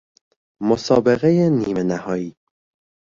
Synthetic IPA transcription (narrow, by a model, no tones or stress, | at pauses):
mosɒːbeɣejeniːmenæhɒːiː